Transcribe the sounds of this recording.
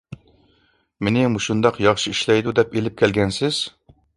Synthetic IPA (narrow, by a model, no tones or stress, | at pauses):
menɪmuʃund̪ɑqjɑχʃiiʃlɛjd̪ud̪ɛpelɪp̚kʲʰɛlɡʲɛnsɪz̥